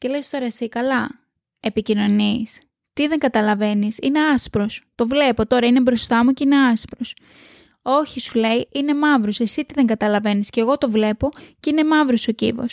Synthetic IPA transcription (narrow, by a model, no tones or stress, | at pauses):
ce̞lest̪o̞ɾɐsikɐlɐ | e̞picino̞nis | t̪iðeŋɡɐt̪ɐlɐve̞nisine̞ɐspɾo̞st̪o̞vle̞po̞t̪o̞ɾɐine̞bɾo̞st̪ɐmuceine̞ɐspɾos | o̞çisule̞iine̞mɐvɾose̞sit̪iðe̞ŋɡɐt̪ɐlɐve̞nisce̞ɣo̞t̪o̞vle̞po̞ceine̞mɐvɾoso̞cḭvo̞̰s